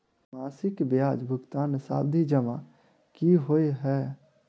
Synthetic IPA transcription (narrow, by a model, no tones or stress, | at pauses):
maːsɪkbjaːd͡ʒbʱʊɡt̪aːnsa̰ːb̚d̪ʱid͡ʒəma̰ | kiɦoeɦɛː